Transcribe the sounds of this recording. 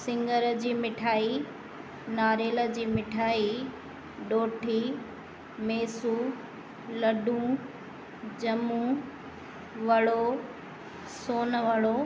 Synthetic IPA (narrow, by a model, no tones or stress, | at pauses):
sɪ̃ŋɡəɾd͡ʑiːmɪʈʰaːi | naːɾeːlə̆d͡ʑiːmɪʈʰaːi | ɗoːʈʰiː | meːsu | lɐɗũ | d͡ʑɐmũ | ʋɐɽo | soːnʋɐɽo